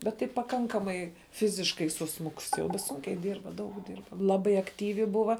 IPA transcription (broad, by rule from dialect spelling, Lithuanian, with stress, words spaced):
ˈbʲɛt tɐɪ pɐˈkɐŋkɐmɐɪ ˈfʲɪzʲɪʃkɐɪ sʊˈsmʊkʊs jɛʊ ˈsuːŋʲkʲɛɪ ˈdʲiːrbɐ ˈdɐʊk ˈdʲiːrbɐ ˈlˠɑːbɐɪ ɐkˈtʲiːʋʲɪ ˈbʊʋɐ